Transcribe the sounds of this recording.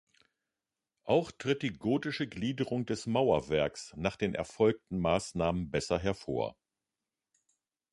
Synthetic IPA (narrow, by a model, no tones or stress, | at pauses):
ʔaʊxtʁ̥ɪt̚d̥iːɡoːtɪʃəɡliːdəʁʊŋdɛsmaʊɐvɛɐksnaːχd̥eːnʔɛ̰ɐfɔlk̚tn̩maːsnaːmənbɛsɐɦɛɐfo̰ːɐ